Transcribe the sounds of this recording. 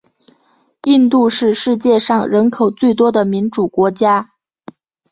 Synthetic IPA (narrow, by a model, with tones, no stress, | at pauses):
i˥˧nt̪u˥˧ʂɻ̩˥˧ʂɻ̩˥˧t͡ɕjɛ˥˧ʂɑ˥˩ŋɻə˧˥nkʰo˨˩ʊt͡swe˥˩ɪt̪wɔ˥d̪ə˨mi˧˥nʈ͡ʂu˨˩kwɔ˧˥t͡ɕja˥